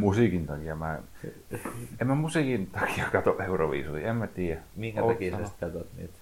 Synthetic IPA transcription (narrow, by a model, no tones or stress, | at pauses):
musiˑkint̪ɑkijɑmæ | emmːæmusiˑkint̪ɑkiɑkɑt̪oʔʔeuroʋḭːsulḭemmæt̪iːjæmiŋkæɑkisɑsi̥t̪ːæt̪ot̪nḭːt̪